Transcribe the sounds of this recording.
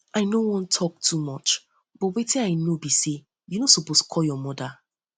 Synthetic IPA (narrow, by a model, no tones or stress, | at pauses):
aɪnowɔ̃ntʰɔk̚tʰumɔt͡ʃ | b̥ɔtwetĩaɪnobise | junosɔposkʰɔljɔmɔda